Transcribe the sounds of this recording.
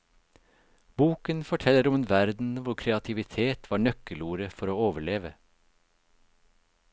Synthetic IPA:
b̥uːkənfɔʈʰɛləɾɔmeːnʋæɾd̪n̩ʋʊɾkʰɾɛɑt̪ʰɪʋɪt̪ʰeːt̪ʰʋɑːɳœkəluːɾəfɔɾoːoːʋəɭeːʋə

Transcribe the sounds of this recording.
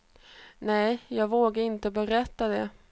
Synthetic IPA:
nɛjjɑːɡvoːɡaɾɪnt̪əbɛɾɛt̪ːad̪ɛ

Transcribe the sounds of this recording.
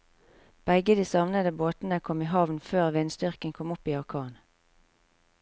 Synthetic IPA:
b̥ɛɡəd̪iːsɑʋnəd̪əboːt̪n̩əkʰɔmiːɦɑʋnføːʁʋɪnst̪ʏʁkənkʰɔmʊpiːɑʁkʰɑːn

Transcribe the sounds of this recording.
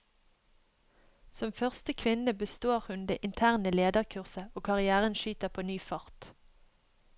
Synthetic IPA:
sɔmfœʁst̪əkʰʋɪnəbəst̪oːʁhʉnd̪ḛːʔɪnt̪ʰæːʁnəleːd̪əʁkʰʉʁsəoːkʰɑʁɪæːʁənʃyːt̪əʁpʰoːnyːfɑʁt̪

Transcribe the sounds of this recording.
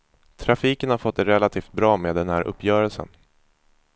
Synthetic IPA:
t̪ʰɾafiːkənhaɾfɔt̪̚ːd̪ɛɾɛlːat̪ʰiːft̪̚bɾɑːmeːd̪ɛnhæːɾʔɵ̰pʰːjœːɾəlsə̰n

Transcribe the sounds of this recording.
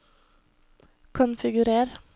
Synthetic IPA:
kʰʊnfɪɡʉɾeːɾ

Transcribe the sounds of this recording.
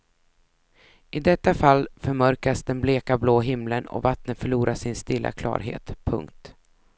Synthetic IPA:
ɪd̪ɛt̪ːafalːfœɾmœɾkasd̪ɛnbleːkabloːɦɪmlənɔ̰vat̪nət̪fœɭuːɾʔaʂɪnst̪ɪlːʔa̰kʰlɑ̰ːɾɦḛːt̪pʰɵ̰ŋkt̪

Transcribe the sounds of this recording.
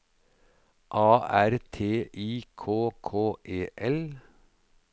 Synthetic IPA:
ʔɑːʔæɾt̪ʰeːʔiːkʰoːkʰoːʔeːʔɛl

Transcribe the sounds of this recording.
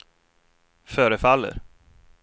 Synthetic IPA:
fœːɾəfalːə̰ɾ

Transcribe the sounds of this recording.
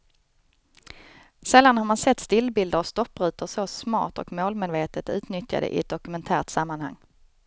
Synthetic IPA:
sɛlːanhaɾmansɛt̪ːst̪ɪlːbɪld̪əɾast̪ɔpːɾʉ̟ːt̪əɾsɔsmɑ̰ːʈ̪ɔkmoːlmeːd̪veːt̪ət̪ʉ̟ːt̪nʏt̪ja̰d̪ə̰ʔɪ̰ɛt̪̚d̪ɔkɵmɛnt̪ʰæːɾt̪samːanha̰ŋː

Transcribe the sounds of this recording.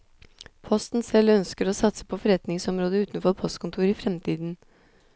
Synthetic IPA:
pʰɔst̪n̩sɛlːœnskəɾoːsɑt̪sə̥pʰɔfɔɾɛt̪nɪŋsɔmɾoːd̪əʉːt̪n̩fɔɾpʰɔst̪kʊnt̪ʰuːɾifɾɛmt̪ʰiːd̪n̩

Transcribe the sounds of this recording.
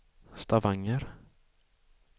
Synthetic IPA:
st̪avaŋːəɾ

